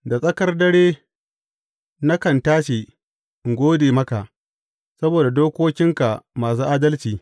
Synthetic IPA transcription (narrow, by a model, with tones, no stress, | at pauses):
da˨sʼɐ˦kɐ˦rdɐ˦ɽeː˦ | na˦kɐ˨ntaː˦ʃe˨ | ŋ˨ɡʷoː˦deː˨mɐ˦ka˨ʔ | sɐ˦boː˨da˨doː˦kʷoː˦kʲɪ˦ŋka˨maː˨s̬uː˦ʔaː˦dɐ˦lt͡ʃiː˨